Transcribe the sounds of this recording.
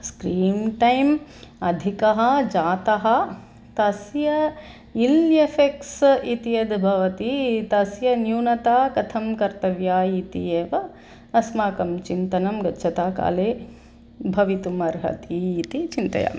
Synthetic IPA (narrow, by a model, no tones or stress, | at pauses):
skɾiːmʈɐjmɐd̪ʱikɐɦɐd͡ʒaːt̪ɐɦɐ̆ | t̪ɐsjɐ | iljefeksit̪ijɐd̪bʱɐʋɐt̪it̪ɐsjɐnjuːnɐt̪aːkɐt̪ʰɐmkɐɾt̪ɐʋjaːit̪ḭeːʋɐ | ɐsmaːkɐmt͡ʃint̪ɐnɐmɡɐtːʃʰɐt̪aːka̰ːleː | bʱɐʋit̪umɐɾɦɐ̰t̪iːt̪it͡ʃint̪ɐ̰ja̰ː